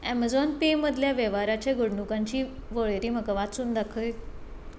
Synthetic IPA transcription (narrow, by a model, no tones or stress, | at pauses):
ɛməd͡zɔnpeməd̪ʱljaʋjəʋaɾat͡ɕjaɡəɽɳukãɲt͡ɕiːʋəɭɾiːməkəʋat̪suːnd̪akʰəj